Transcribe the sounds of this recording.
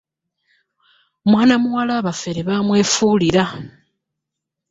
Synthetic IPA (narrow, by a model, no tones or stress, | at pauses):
mwaːnamuwalaːβafe̞ɾeβamwe̞ːfuːliɾa